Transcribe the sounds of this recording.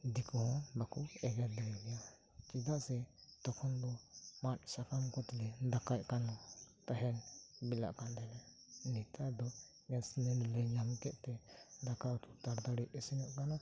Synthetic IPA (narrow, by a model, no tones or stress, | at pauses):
d̪ikɔɦɔ̃bakuɛɡɛɾd̪ɛɾɛɡɛja | t͡ʃid̪aʔsɛt̪ɔkʰɔnbɔmatsakamkɔt̪ɛlɛd̪akajkanɔt̪aɦɛnbila̰ʔkandɛlɛ | nit̪ad̪ɔ | ɡɛsnɛnlɛɲamkɛʔ̪t̪ɛd̪akat̪ut̪aɾd̪aɽiʔɛsɛnɔʔkana